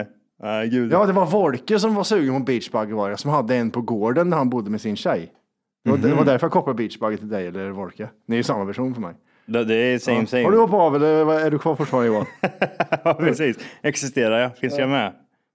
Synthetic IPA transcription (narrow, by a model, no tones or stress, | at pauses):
aɡʉːjɑːd̪ɛvaɾvɔɾkəs̬ɔmvaɾsʉːɡənmʊt̪̚biːt̪t͡ʃbaɡəvɑːɾjasɔmhad̪ːəɛnpʰɔɡoːɖənːæɾhanbʊd̪ːəmɛsɪnɕɛj | d̪̥ɛvad̪ɛvad̪æɾfœɾjakʰɔplabiːt̪t͡ʃbaɡːət̪ʰɪld̪ɛɪɛlːəɾvɔɾkəd̪ɛjʉsamːapæʂuːnfœɾmɛ̰j | d̪ɛd̪ɛsɛmsɛhaɖɵhɔpɑvɛlːəɾvɑæɖɵkʰvɑːɾfʊʈːfɑːɾanəɡɔːɾ | ɑpʰɾɛsiːsɛksɪst̪eːɾaɾjɑfɪnsjamɛ